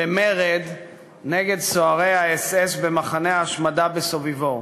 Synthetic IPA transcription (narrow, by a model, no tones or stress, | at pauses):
bemeʁed̪ | neɡe̞d̪soaʁejaesesbe̞maχaneaːʃmadabesovivo